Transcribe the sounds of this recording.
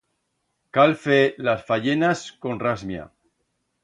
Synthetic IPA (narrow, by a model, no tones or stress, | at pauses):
kalfelasfaʝenasko̞nrazmja̰